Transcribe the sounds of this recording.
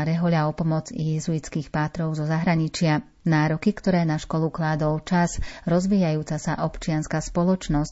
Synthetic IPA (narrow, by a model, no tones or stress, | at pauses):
ɾɛɦɔʎaɔpɔmɔd͡zḭjɛzuit͡skiːxpaːt̪ɾɔʊzɔzaɦɾaɲit͡ʃɪa | naːɾɔkikt̪ɔɾɛːnaʃkɔluklaːd̪ɔlt͡ʃazɾɔzʋiːjajuːt͡sasa̰ʔɔpt͡ʃɪanskaspɔlɔt͡ʃnɔsc